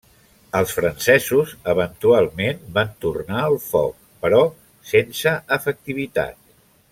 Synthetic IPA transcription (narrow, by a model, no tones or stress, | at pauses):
əlˠsfɾənsɛzuzəβənt̪ualˠmenbant̪urnaəlˠfɔ̰k̚pəɾɔ | sensəəfək̚t̪iβ̞it̪a̰t̪̚